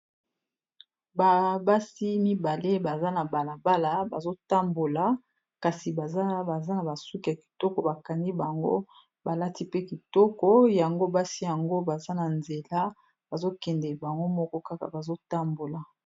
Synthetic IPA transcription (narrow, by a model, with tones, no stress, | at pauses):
ba˨ba˦si˦mi˦ba˨le˦ba˨za˦na˨ba˨la˨ba˦la˨ba˨zo˦ta˦mbo˨la˨ | ka˨si˨ba˨za˦ba˨za˦na˨ba˨su˦ki˨a˨ki̥˨tɔ˦kɔ˨ba˨ka˨ndi˦ba˨ŋɡo̰˦ | ba˨la˦ti˦pe˦ki˨tɔ˦kɔ˦ja˨ŋɡo˦ba˦si˦ja˨ŋɡo˦ba˨za˦na˨nze˨la˦ | ba˨zo˦kɛ˨ndɛ˨ba˨ŋɡo˦mɔ˦kɔ˦ka˦ka̰˨ba˨zo˦ta˦mbo˨la˨